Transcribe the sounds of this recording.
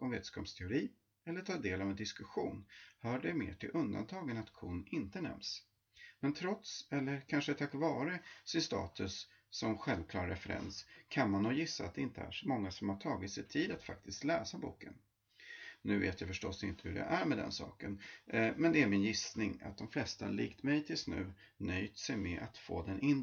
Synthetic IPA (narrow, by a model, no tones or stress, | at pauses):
ɔmveːt̪ə̥skʰɔpst̪ʰɛʊɾiː | ɛlːəʈʰɑːd̪eːlavɛnd̪ɪskɵɧuːnhœːɖɛmḛːʈʰɪlʔɵnd̪a̰nt̪ʰɑːɡənat̪kʰʊːnɪnt̪ənɛ̰ms | mɛnt̪ʰɾɔt̪sɛlːəɾkʰanʂət̪ʰakvɑːɾəsɪnst̪ɑ̰ːt̪ɵsː | ɔmɧɛlvkʰlɑ̰ːɾɾɛfɛɾɛ̰nskʰanmanːuːjɪsːaa̰t̪̚d̪ɛɪnt̪əæ̰ʂɔmɔŋːasɔmhaʈʰɑːɡɪt̪sɛjt̪ʰiːd̪at̪fa̰k̚t̪ʰɪskt̪lɛːsabuːkən | nʉ̟ːvḛːt̪jafœʂʈɔsɪnt̪ʰəhɵdɛ̰ʔæɾmɛd̪ɛ̰nsɑ̰ːkənmɛnd̪ɛæɾmɪnjɪsnɪŋa̰t̪̚d̪ɔmflɛst̪aɭiːkt̪mɛjt̪ʰɪlsnʉ̟ː | nœjt̪sɛjmɛʔat̪fo̰ːd̪ɛnʔɪn